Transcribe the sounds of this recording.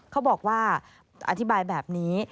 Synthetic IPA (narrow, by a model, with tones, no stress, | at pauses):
kʰa˦˥wbɔː˨˩k̚waː˥˩ | ʔa̰˧t̪ʰi˦˥baː˧jbɛː˨˩p̚niː˦˥